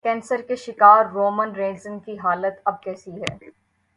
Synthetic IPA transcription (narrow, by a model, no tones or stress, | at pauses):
kɛ̃ːnsəɾkeʃɪkaːɾːoːmənɾẽːnzənkiɦaːlət̪ɐb̚kɛːsiɦɛ̰ː